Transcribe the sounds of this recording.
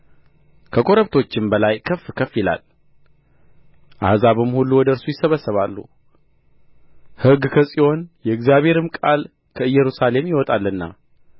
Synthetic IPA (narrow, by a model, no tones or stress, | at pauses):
kʰəkʼo̞ɾəβt̪ʰo̞t͡ʃːɪmbəlajkʰəfːkʰəfːjɪla̰l | ʔa̰hzaβɨmhulːuwɔd̪əɾsujɪsːəβəsːəβalːṵ | hɨɡkʰəsʼiho̞njɛɨɡzijaβhe̞ɾɨmkʼal | kʰəɨjːɛɾusale̞mjɪwɔt̪ʼalːɨnːa̰